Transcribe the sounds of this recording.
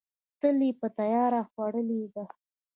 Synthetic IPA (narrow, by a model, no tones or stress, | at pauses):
t̪əlipət̪ajɑɾaxwaɽəlid̪a